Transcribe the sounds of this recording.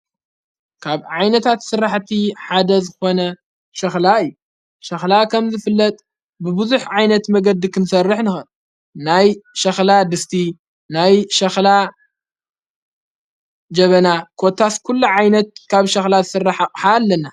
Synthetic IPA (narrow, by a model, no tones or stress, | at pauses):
kʰaβʕajnɐt̪ʰat̪sɨɾːaħt̪ʰiħad̪ɐzɨxo̞nɐ | ʃɐxlaɨjːu | ʃɐxlakʰɐmzɨfɨlːɐt̪ʼ | bɨbɨzuħʕajnɐt̪mɐɡɐd̪ːikʰɨnsɐrːɨħnɨxɨn | najʃɐxlad̪ɨst̪ʰi | najʃɐxla | d͡ʒɐβɐnakʰot̪ʰaskʰulːuʕajnɐt̪̚kʰaβʃɐxlazɨsɨrːaħakʼħalːɐna